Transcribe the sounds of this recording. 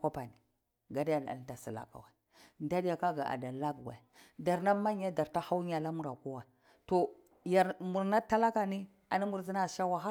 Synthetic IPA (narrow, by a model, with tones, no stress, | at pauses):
ka˦pa˨ni˨ | ɡa˨dja˨n˨a̰˨lta˨si˨la̰˨ka̰˨wa˨ | nda˦dja˨ka˦ɡa˨ʔa̰˨da˨la˦ɡwa̰˨i˨da˨ɾna˦ma˦ɲ˦ja˦da˨ɾta˦ha˦wa˨la˦mu˦ɾa̰˨ku˦wa˨ | to˨ | ja˨ɾmu˨ɾna˦ta˦la˦ka˨ni˦ | a˨ni˦mu˨ɾzi˦na˦˨ʃa˦wa˦ɦa˦